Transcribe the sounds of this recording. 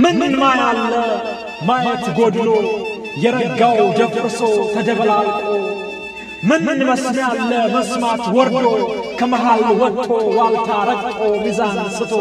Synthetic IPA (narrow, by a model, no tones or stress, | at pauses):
mɨnnmajalːə | majət̪ɡod̪lo | jɛɾəɡawd̪əfɨsot̪ʰəd̪əβəlalkʼo | mɨnməsnalːəməsmat̪wɔɾlokʰəmɐɦalwɔt̪ʼʰːowalt̪ʰaɾəɡʼt̪ʼomizansɨfo